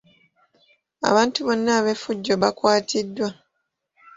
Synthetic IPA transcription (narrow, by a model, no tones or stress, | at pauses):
a̰βaːntuβo̞nːaːβe̞fuɟːo̞βakwaːtʰidːwa